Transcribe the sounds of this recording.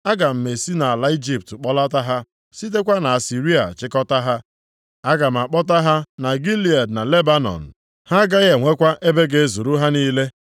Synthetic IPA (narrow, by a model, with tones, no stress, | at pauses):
a˦ɡa˨m̩˨me˨si˦na˨a˨la˦i˦d͡ʒi˦p̚tk͡pɔ˦la˦ta˦ɦa˦ | si˦t̬e˦kʷa˦na˨a˨si˨ɾi˦a̰˨t͡ʃɪ˦kɔ˦ta˦ɦa˦ | a˦ɡa˨m̩˨a˨k͡pɔ˦ta˦ɦa˦na˨ɡi˦li˨a˨dna˨le˦ba˦nɔ̰˨n̩˨ | ha˦ɡa˦ɣe˨ŋʷe˦kʷa˦ʔe˦be˦ɡe˨zu˨ɾu˦ɦa˦ni˦le˦